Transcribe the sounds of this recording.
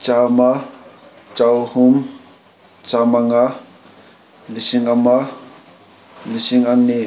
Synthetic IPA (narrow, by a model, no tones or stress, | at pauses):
t͡ʃama | t͡ʃawhum | t͡ʃamaŋa | lisiŋama | lisiŋaŋni